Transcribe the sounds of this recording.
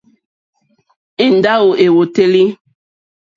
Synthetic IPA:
i˦˨n̩˨da˦o˨ʔe˨wo˨te˦li˦

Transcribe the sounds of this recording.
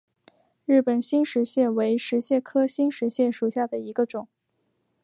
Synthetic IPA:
ɻɻ̩˥˩pə˨˩nɕi˥nʂɻ̩˧˥ɕjɛ˥˩nwe˧˥ɪʂɻ̩˧˥ɕjɛ˥˩kʰɤ˥ɕi˥nʂɻ̩˧˥ɕjɛ˥˩nʂu˨˩ɕja˥˩d̪ə˩i˧˥ɡə˧ʈ͡ʂʊ˨˩˦ŋ

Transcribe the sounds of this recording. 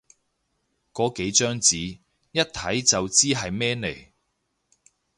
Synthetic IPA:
kɔː˨˥ke˨˥jt͡ʃœː˥ŋt͡siː˨˥ | jɐ˥t̚t̪ʰɐ˨˥jt͡sɐ˨wt͡siː˥ɦɐ˨jmɛː˥ne˨˩j

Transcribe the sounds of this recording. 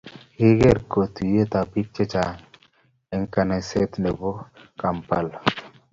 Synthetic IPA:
hi˦ɡe˦ɾko˨t̪u˨je˦t̪a˨bi˦k̚t͡ʃe˦t͡ʃa˨ | ɛ˨ŋka˨ne˨se˦t̪ne˨bo˦ka˨mpa̰˨l

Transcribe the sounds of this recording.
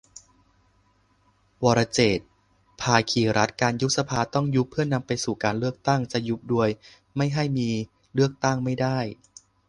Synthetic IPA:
wɔː˨˩ɾa˧t͡ɕeː˨˩t̪̚ | pʰaː˧kʰiː˨˩ɾa˦˥t̪̚kaː˧nju˦˥sa˧pʰaː˧t̪ɔ˥˩ŋju˦˥pʰːɯ˥˩ɐna˧mpa˧jsuː˨˩kaː˧nlɯ˥˩ək̚t̪a˥˩ŋt͡ɕa˨˩ju˦˥p̚du˧əj | ma˥˩jɦa˥˩jmiː˧ | lɯ˥˩ək̚t̪a˥˩ŋma˥˩jdaː˥˩j

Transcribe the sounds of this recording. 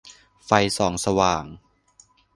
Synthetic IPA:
fa˧jsɔː˩˦ŋsa˧waː˨˩ŋ

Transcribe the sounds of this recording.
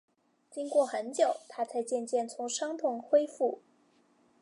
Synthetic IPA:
t͡ɕi˥ŋkwɔ˥˩xə˧˥nt͡ɕjo˨˩ʊt̪ʰa˥t͡sʰa˥˧ɪt͡ɕjɛ˥˧nt͡ɕjɛ˥˩nt͡sʰʊ˧˥ŋʂɑ˥ŋt̪ʰʊ˨˩ŋxwe˥ɪfu˥˩

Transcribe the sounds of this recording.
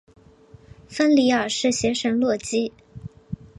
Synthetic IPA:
fə˥nli˧˥ə˞˨˩ʂɻ̩˥˩ɕɥɛ˧˥ʂə˧˥nlwɔ˥˩t͡ɕi˥

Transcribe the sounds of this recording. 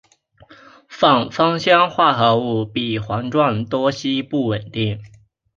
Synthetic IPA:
fɑ˥˩ŋfɑ˥ŋɕjɑ˥ŋxwa˥˩xɤ˧˥u˥˩pi˨˩xwɑ˧˥ŋʈ͡ʂwa˥˩nt̪wɔ˥ɕi˥pu˥˩wə˨˩nt̪i˥˩ŋ

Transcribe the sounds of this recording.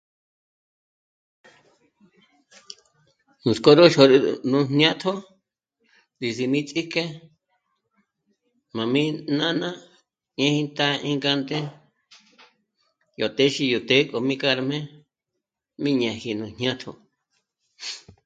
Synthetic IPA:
nũ˨sko˧ɾo˦ʃo˧ɾnũ˧n̥ã˦t̪ʰo˦ | zi˨si˧mĩ˦t͡sʼi˦ke˦ | mã˨mĩ˦nã˦nã˦ | ɲẽ˧˦hĩ˧nt̪a˦ʔĩ˦ŋɡa˧nd̪e˦ | jo˨t̪e˦ʃi˧ju˨t̪e˦kʼo˨mĩ˦ka˦˧ɾa˧mẽ˦ | mĩ˦ɲã˧hi˧nũ˧n̥ɲã˦t̪ʰo̰˧

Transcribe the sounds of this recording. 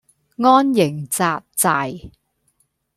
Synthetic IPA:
ŋɔː˥njɪ˨˩ŋt͡saː˧p̚t͡saː˨˧j

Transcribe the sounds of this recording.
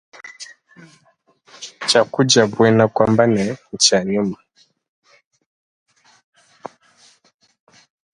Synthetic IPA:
t͡ʃa˨ku˦d͡ʒa˨bwɛ˦na˦˨kwa˨mba˦nɛ˨n̩˨t͡ʃa˨ɲu˦ma˨

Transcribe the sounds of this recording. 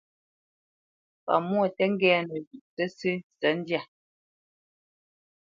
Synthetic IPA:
pa̰˨mwɔ˦˨tɛ˦ŋ˦ɡɛː˦nɛ˨zu˨t͡sɛ˦sɨ˦sɛ˨˦n˦dja˦˨

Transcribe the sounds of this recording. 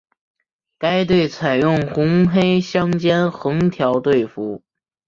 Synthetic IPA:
ka˥ɪt̪̬we˥˩ɪt͡sʰa˨˩ɪjʊ˥˩ŋxʊ˧˥ŋxe˥ɪɕjɑ˥ŋt͡ɕjɛ˥nxɤ˧˥ŋt̪ʰjɑ˧˥ʊt̪we˥˩ɪfu˧˥

